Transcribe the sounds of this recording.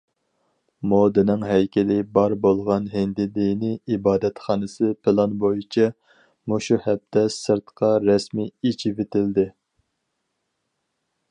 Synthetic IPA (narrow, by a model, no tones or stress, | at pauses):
mod̪ɨnɨŋɦɛjkʲʰɛlɪbɑɾbolˠʁɑnɦɪnd̪ɪd̪inɪibɑːd̪ɛt̪χɑːnɨsɨpʰɪlˠɑnbojit͡ʃʰɛ | muʃuhɛp̚t̪ʰɛsɨɾt̪qʰɑɾɛsmiit͡ʃʰivet̪ɪld̪ɪ